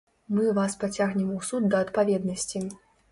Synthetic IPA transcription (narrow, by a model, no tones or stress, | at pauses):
mɨvaspat͡sʲaɣnʲɛmusud̪d̪ɐɐt̪pavʲɛd̪nɐsʲt͡sʲi